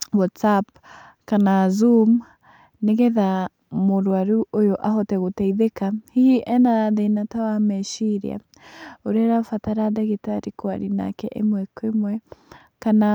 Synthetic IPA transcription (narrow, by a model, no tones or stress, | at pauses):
wɔtsap̚ | kanazum | neɣɛða | moɾwaɾuʔojoʔaɦɔtɛɣotɛiðekahiiʔɛnaaðeinatawamɛʃiɾḭa̰ | oɾeɾafataɾadaɣetaɾikwa̰ɾina̰kɛʔemwɛkemwɛ | kana